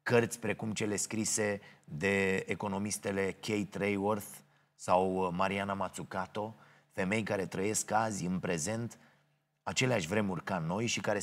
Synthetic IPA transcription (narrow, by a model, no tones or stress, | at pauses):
kərt̪sʲpɾe̞kumt͡ʃe̞le̞skɾise̞d̪e̞ːko̞no̞mist̪e̞le̞kʲʰejt̪ɾejorθ | sawmaɾianamat̪sukat̪o̞ | fe̞me̞jkaɾe̞t̪ɾəje̞skazʲɨnpɾe̞ze̞nt̪ | at͡ʃe̞leaʃʲvɾe̞murkano̞jʃikaɾe